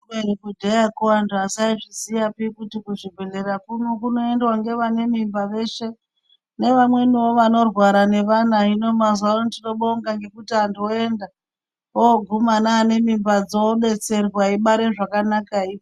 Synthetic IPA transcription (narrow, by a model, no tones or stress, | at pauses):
eɾikudʱejakuantuasaiʐisijapikutikuʐibʱe̞ɮe̞ɾakuno̞kuno̞e̞ndwaŋɡe̞ʋane̞mimbaʋe̞ːʃe̞ | ne̞ʋamwe̞niwo̞ʋano̞rwaɾane̞ʋanaino̞mazwanotino̞ɓoŋɡaŋɡe̞kutianduoe̞nda | oɡʱumanaːne̞mimbad͡zo̞ɓe̞t͡se̞rwaiɓaɾeʐakanakai